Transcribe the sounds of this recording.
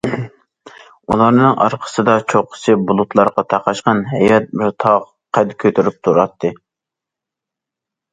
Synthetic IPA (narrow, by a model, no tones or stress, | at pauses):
ṵlˠɑɾnɨŋʔɑ̰ɾqʰə̥sɨd̪ɑt͡ʃʰoqʰə̥sɨbulˠut̪lˠɑɾqɑt̪ʰɑqɑʃqɑnɦɛjɑt̪̚bɪɾt̪ʰɑʁ | qʰɛd̪kʲʰøt̪ʰyɾyp̚t̪ʰuɾɑt̪ʰːɨ